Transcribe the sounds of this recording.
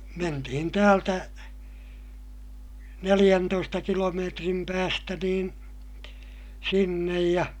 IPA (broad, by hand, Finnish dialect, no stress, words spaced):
mentihin tæːltæ nelij̆æntoistɑ kilomeːtrim pæːstæ niːn sinːej jɑ